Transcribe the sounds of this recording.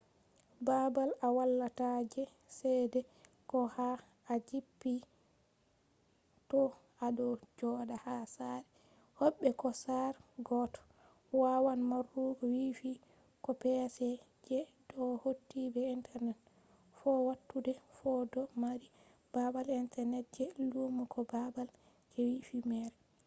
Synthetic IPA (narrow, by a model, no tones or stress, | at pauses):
babalawalːatad͡ʒɛ | sɛjdɛ | kɔhaː | d͡ʒipːi | tɔ | aɗɔd͡ʒɔdahasaɾɛ | hɔɓːɛkɔsaɾɡɔtɔ̥ | wawanmarːuɡɔwifi | kɔpɛsɛ | d͡ʒɛdɔhotːibɛintʰɛɾnɛt | fɔwatːudɛfɔdɔmaɾi | b̥abalintɛɾnɛt̚d͡ʒɛlumukʰɔbabal | kɛwifimɛɾɛ